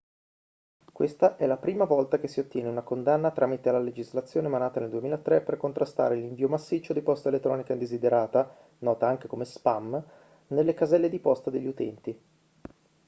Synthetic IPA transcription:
kwest̪aʔɛlapɾiːmavɔlt̪ak̟esːiot̪ːjɛːneunakond̪anːat̪ɾʔaːmit̪elaled͡ʒizlat̪sːjoːnemanaːt̪aneld̪uemiːlaet̪ːɾepːerkont̪ɾast̪a̰ːɾeliɱviːomasːit͡ʃːod̪ipɔst̪aelet̪ːɾɔːnikaind̪ezid̪eɾaːt̪a | nɔːt̪aaŋk̟ekomespam | nelːekazɛlːed̪ipɔst̪ad̪eʎːiut̪ɛ̰nt̪i

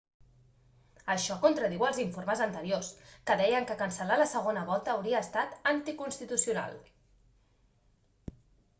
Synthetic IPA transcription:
əʃɔkont̪ɾəð̞iwəlˠziɱfoɾməzənt̪əɾioskəðɛjəŋkəkənsəlaləsəɣ̞onəβ̞ɔt̪əːwɾiəːst̪at̪ənt̪ikunst̪it̪usiuna̰lˠ

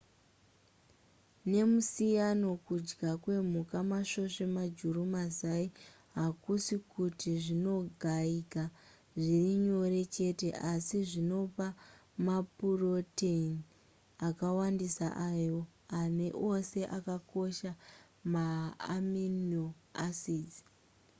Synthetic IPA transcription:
ne̞musijano̞kud͡ʒɡakwe̞m̤ukamaʃo̞ʃe̞mad͡ʒurumazai | ɦakusikutiʐino̞ɡʱaika | ʐiriɲo̞re̞t͡ʃe̞te̞ʔasiʐino̞pamapuro̞ten | akawandisaʔajo̞ane̞ʔose̞ʔakako̞ʃa | maːminoasiːd͡zi

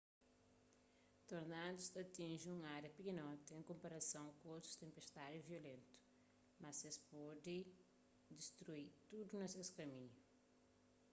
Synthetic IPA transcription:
t̪oɾnad̪ust̪ɐt̪ĩʒĩũaɾjɐpikinɔt̪ɐẽŋkõmpɐɾɐsɐ̃w̃kot̪ɾu̥t̪ẽmpeʃt̪aɾjuviolẽnt̪u̥ | mɐsespɔd̪ɪ | d̪iʃt̪ɾuiɾt̪ud̪unɐsewsu̥kɐmĩɲu

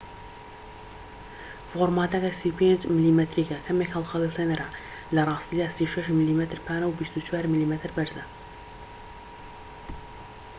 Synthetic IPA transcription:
foɾmaːt̪ɐkɐsiwpʰeːnd͡ʒmilimɛt̪ɾiːkɐkʰɐmekhɐlˠxɑlˠilt̪ʰenɐɾɐ | lɐrˤɑːst̪iːd̪aːsiuʃɐʃmiliːmɛt̪ʰɾpʰaːnɐwbist̪ut͡ʃʰwaːɾmiliːmɛt̪ʰɨɾbɐɾzɐ

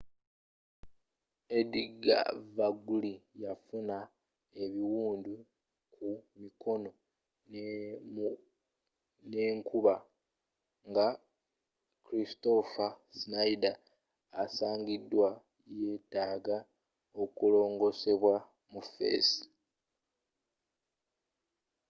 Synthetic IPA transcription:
ediɡa̰vaɡulijafuna | e̞βiwuːndu | kʰumikʰo̞no̞ | ne̞ːŋkuβa | ŋɡa | kɾisto̞fasinaidaː | saːŋɡidːwa | je̞ːtaːɡa | o̞kulo̞ːŋɡo̞se̞βwa | mufe̞̰ːsi̥

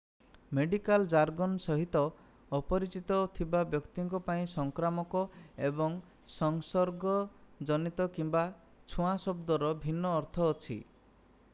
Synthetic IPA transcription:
meɖikald͡ʒaɾɡonsɔɦit̪ɔː | pɔɾit͡ʃit̪ɔt̪ʰibabjɔkt̪iŋkɔpaĩsɔŋkɾamɔkɔebɔŋ | sɔŋsɔɾɡɔd͡ʒɔnit̪ɔkimba | t͡ʃʰuãsɔbd̪ɔɾɔbʱinːɔːɾt̪ʰɔːt͡ʃʰḭ

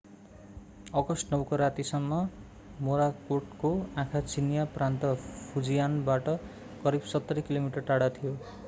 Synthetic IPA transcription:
ʌkʌsnʌwkoɾat̪isʌmːʌ | moɾakoʈkoãkʰat͡sinjaprant̪ʌpʰud͡zijanbaʈʌ | kʌɾibsʌt̪ːʌɾikilomiʈʌrʈaɽat̪ʰijo

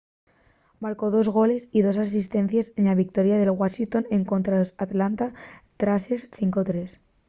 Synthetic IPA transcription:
maɾko̞ð̞o̞zɣ̞o̞le̞siðo̞sas̬ist̪e̞n̟θjasenlaβik̚t̪o̞ɾjaðe̞lɣwaʃint̪o̞ne̞ŋko̞nt̪ɾalosat̪lant̪at̪ɾasesθiŋkot̪ɾe̞s

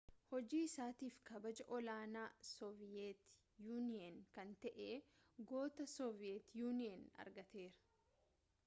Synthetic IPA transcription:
hɔd͡ʒiːɪsaːt̪iːfkɐbɐd͡ʒɐʔɔlaːnaːsɔvɪjɛt̪ | juːnɪɐnkɐnt̪ɛʔeː | ɡo̞ːt̪ɐsɔvɪjɛt̪juːnɪɐnɐ̰ɾɡɐt̪e̞ːɾɐ̥

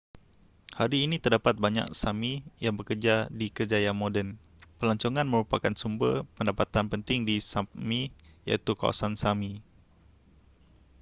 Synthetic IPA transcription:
haɾiːnit̪ərdapat̪̚baɲa̰k̚samijaŋbəkərd͡ʒadikəd͡ʒajamodɛn | pərlaɲt͡ʃoŋanməɾupakansumbəpəndapat̪anpənt̪ɪŋdisamija̰it̪uka̰wa̰sansami

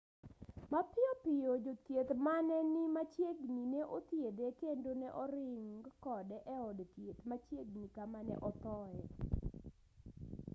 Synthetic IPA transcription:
mapɪɔpɪjod͡ʒot̪jet̪manɛnimat͡ʃjeɡnineʔot̪jedekendonɛʔɔɾɪŋɡkɔdɛʔɛɔdt̪jet̪mat͡ʃjeɡnikamanɛ̰ʔɔt̪ɔɛ

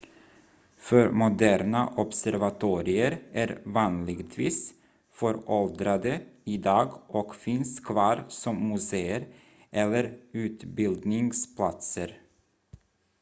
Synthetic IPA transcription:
fœɾmʊd̪æːɾnaʔɔbsæɾvat̪ʰuːɾɪəɾæɾvɑːnlɪɡt̪ʰviːs | fœɾɔld̪ɾad̪əɪd̪ɑːɡɔkfɪnskʰvɑːɾsɔmːɵseːəɾ | ʔɛlːəɾʉ̟ːt̪bɪld̪nɪŋspʰlat̪səɾ

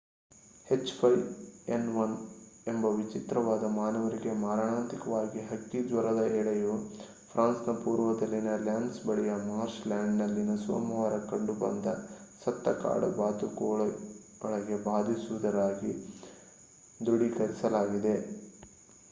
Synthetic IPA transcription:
het͡ʃːpʰɐjenʋɐnembɐʋit͡ʃit̪ɾɐʋaːd̪ɐmaːnɐʋɐɾiɡe̞maːɾɳaːnt̪ikɐʋaːɡiɦɐkːid̪ʋɐɾɐd̪ɐɛːɭɐju | pʰɾaːnsnɐpuːɾʋɐd̪ɐlːinɐljaːɳɖsbɐɭɛjɐmaːɾʃlaːɳɖnɐlːinɐsʋɐ̰ːmɐʋɐɾɐkɐɳɖubɐ̰nd̪ɐsɐt̪ːɐka̰ːɽɐ̰baːt̪ukɔːɭɐ | ɔɭɐɡe̞baːd̪ʱisuʋud̪ɐɾaːɡi | d̪uɽikɐɾisɐlaːɡid̪e̞

